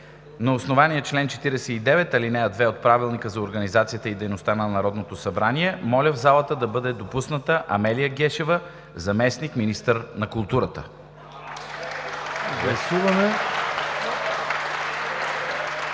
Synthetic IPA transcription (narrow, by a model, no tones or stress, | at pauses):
nɐosnovanijət͡ʃlɛnt͡ʃɛ̥t̪iɾɛsɛid̪ɛvɛt̪ɐlinɛəd̪vɛot̪̚pɾavilˠnikəzɐoɾɡənizat̪sijət̪əid̪ɛjnost̪anɐnɐɾɔd̪not̪osɐbɾaniɛmɔlʲəvzalˠət̪əd̪ɐbɤd̪ɛd̪opusnət̪əʔɐ̰mɛlijəɡɛʃɛvə | zɐmɛsnikminist̪əɾnɐkulˠt̪uɾət̪ə | ɡlˠɐsuvɐmɛ